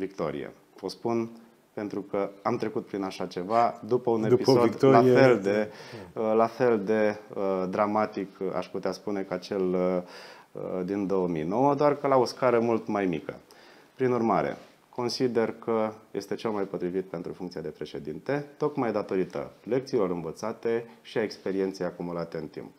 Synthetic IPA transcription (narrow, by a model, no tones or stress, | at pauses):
vikt̪o̞̰ɾḭḛ | ospun | pe̞nt̪ɾukəamt̪ɾe̞kut̪̚pɾinaʃat͡ʃe̞vad̪upəune̞pisod̪afeld̪e | lafe̞ld̪e̞d̪ɾamat̪ika̰ʃput̪easpune̞kat͡ʃe̞l | əd̪ind̪o̞əmḭno̞wəd̪oarkəlao̞skaɾəmult̪majmikə̰ | pɾinurmaɾḛ | ko̞nsid̪e̞rkəje̞̰st̪e̞t͡ʃe̞lmajpo̞t̪ɾivit̪̚pe̞nt̪ɾufuŋkt̪sijad̪e̞pɾe̞ʃe̞d̪int̪e̞t̪o̞kmajd̪at̪o̞ɾit̪ə̰le̞kt̪siːlo̞ɾɨnvət̪sat̪e̞ʃiae̞kspe̞ɾie̞nt̪sejakumulat̪e̞ɨnt̪ḭmp